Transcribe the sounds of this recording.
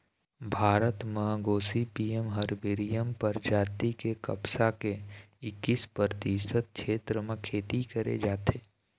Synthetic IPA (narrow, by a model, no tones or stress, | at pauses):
bʱaːɾət̪mɐɦɡoːsipiːjemɦɐɾbɪɾijəmpəɾd͡ʒaːt̪ikekɐ̰psakeɪkːispɾəɾt̪isət̪̚kʃʰeːt̪ɾəmẽkʰeːt̪ikɐɾḛd͡ʒaːt̪eː